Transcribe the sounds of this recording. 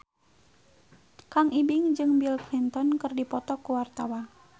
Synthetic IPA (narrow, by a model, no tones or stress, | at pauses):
kaŋʔibɪŋd͡ʒɨŋbilklint̪ɔnkɨrdipɔt̪ɔkuwart̪awa